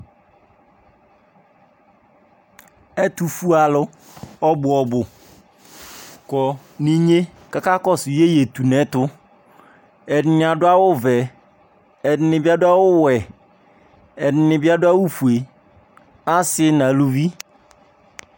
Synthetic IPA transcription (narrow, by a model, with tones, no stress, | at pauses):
ɛ˦tu˨fu˦a˨lʊ˦ | ɔ˦bʊ˨ɔ˨bʊ˨ | kɔ˨ | nĩ˦ɲe˦ | ka˨ka˦kɔ˦sʊ˨je˦je˨t̪u˨nɛ̃˦tʊ˦ | ɛ˨nɪ˦nɪ̃˦a˨dʊ˦a˦wʊ˦vɛ˨ | ɛ˨nɪ˦nɪ̃˨ba˦dʊ˦a˦wʊ˦wɛ˨ | ɛ˨nɪ˨˦nɪ̃˨bɪ˦a˦dʊ˦a˦wu˦fu˨e˨ | ã˦sɪ˦nã˨lu˦vi˦